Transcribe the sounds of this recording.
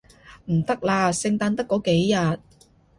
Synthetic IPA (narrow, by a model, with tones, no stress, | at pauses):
m̩˨˩t̪ɐ˥k̚laː˧sɪ˧ŋt̪aː˧nt̪ɐ˥kːɔː˨˥ke˨˥jjɐ˨t̚